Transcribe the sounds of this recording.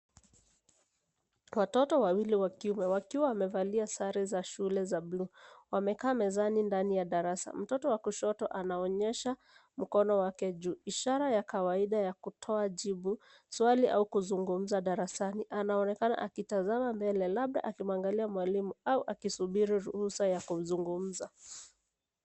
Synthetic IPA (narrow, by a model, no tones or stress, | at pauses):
watɔtɔwawiliwakiumɛwakiwawamɛvaliasaɾizaʃulɛzabluwamɛkaːmɛzanindanijaɗaɾasa̰m̩tɔtɔwakuʃɔtɔʔanaɔɲɛʃa | m̩kɔnɔwakɛʄuːiʃaɾajakawaiɗajakutʰɔaʄiɓu | swaliʔa̰ukuzuŋɡum̩zaɗaɾasaniʔanaɔnɛkana̰ʔakitazamambɛlɛlaɓɗa̰ʔakimaŋɡaliamwalimuauʔakisuɓiɾiɾuhusajakuzuŋɡum̩za